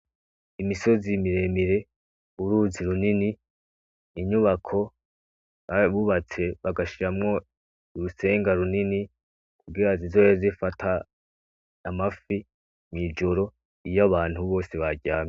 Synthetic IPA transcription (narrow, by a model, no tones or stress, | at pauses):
imiso̞zimiɾe̞miɾe̞ | uɾuːziɾuniniː | ɲuβakʰo̞ | aβuβat͡se̞βaɡaʃiɾamŋo̞ | uɾuse̞ːŋɡaɾunini | kuɡiɾazizo̞jozifatʰaː | mafi | mŋiːd͡ʒo̞ɾo̞ | ijaβaːn̥huβo̞ːseβaɡɟaːmɲe